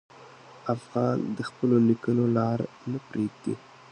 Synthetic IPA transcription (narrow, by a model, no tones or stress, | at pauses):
afɣɑnd̪əxpəlolikənolɑɾ | nəpɾeɡ̚d̪ḭ